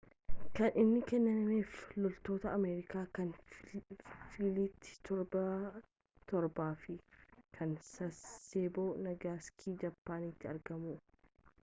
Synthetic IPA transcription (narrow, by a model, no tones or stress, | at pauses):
kɐnʔɪnːɪkɛnːɐnɐmeːflɔlt̪o̞ːt̪ɐːmeːɾɪkaːkɐn | fiːliːt̪ːɪ̥t̪ʰɔɾbɐ | t̪ɔɾbaːfɪkʰɐnsɐseːboːnɐɡaːskʰiːd͡ʒɐbːaːnit̪ːɪɐɾɡɐmuː